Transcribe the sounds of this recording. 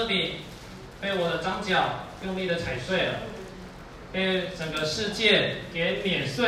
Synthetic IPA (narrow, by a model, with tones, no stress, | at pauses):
ɤ˥˧t̪i˨˩ | pe˥˩ɪwɔ˨˩d̪ə˦ʈ͡ʂɑ˥ŋt͡ɕjɑ˨˩ʊjʊ˥˧ŋli˥˩d̪ə˩t͡sʰa˨˩ɪswe˥˩ɪə˩ | pe˥˩ɪʈ͡ʂə˨˩ŋɡə˦ʂɻ̩˥˧t͡ɕjɛ˥˩kɛ˧˥mjɛ˨˩nswe˥˩